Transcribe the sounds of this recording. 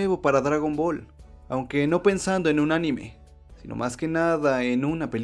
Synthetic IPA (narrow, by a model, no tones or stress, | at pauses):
eβopaɾaðɾaɣombolawŋkenopensand̪oenunanimḛ | sinʔo̰mʔaskenaðaenunapel